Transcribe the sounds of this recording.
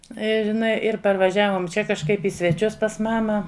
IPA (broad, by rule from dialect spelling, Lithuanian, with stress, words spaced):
ɪr ɪˈnɐɪ ɪr pɐrʋɐˈʒʲæːʋoːm ˈt͡ʃʲɛ kɐʃˈkɐɪp ɪ sʲʋʲɛˈt͡ʃʲʊs pɐs ˈmɑːmɐ